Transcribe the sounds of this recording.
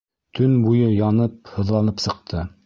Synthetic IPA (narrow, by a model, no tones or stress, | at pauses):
t̪ʰɵnbujɤjɒnɤp̚hɤ̆ðlˠɑnɤpsɤ̆q̚t̪ʰɤ